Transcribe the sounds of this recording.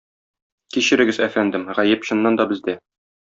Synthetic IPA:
kiɕɘ̆ɾɘ̆ɡɘzæfænd̪ɘmʁæjɘpɕŏnːɑnd̪ɒbɘ̆zd̪æ

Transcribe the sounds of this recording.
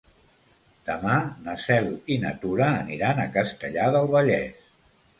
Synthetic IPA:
d̪̥əmanəsɛlinə̰t̪uɾəːniɾanəkəst̪əʎaðəlˠβəʎɛs

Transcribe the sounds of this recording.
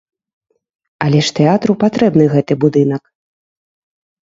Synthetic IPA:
aɐlʲɛʂt̪ɛat̪ɾupat̪ɾɛbnɨɣɛt̪ɨbud̪ɨn̪ɐk

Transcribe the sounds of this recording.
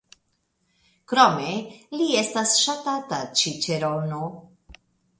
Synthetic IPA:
kɾome̞lie̞stasʃatatat͡ʃit͡ʃeɾono

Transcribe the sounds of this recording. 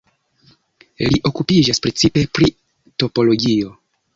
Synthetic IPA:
liʔo̞kupid͡ʒaspɾe̞t͡sipe̞pɾi | to̞po̞lo̞ɡio̞

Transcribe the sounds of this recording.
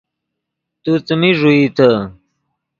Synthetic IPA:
t̪ut͡səmiʐuit̪ʰə

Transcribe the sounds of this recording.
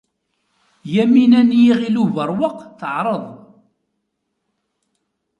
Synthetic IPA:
jæminænjiʁiluvəɾˤwəqθəʕɾˤəðˤ

